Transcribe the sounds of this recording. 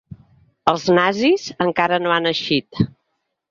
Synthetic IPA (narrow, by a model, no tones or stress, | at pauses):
əlˠznazizəŋkaɾənoanəʃit̪